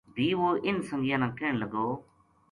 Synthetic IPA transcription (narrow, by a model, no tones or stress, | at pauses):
bʱiːʋoːʔɪnsə̃ŋɡjãːnãːkeːɳ̃ləɡoː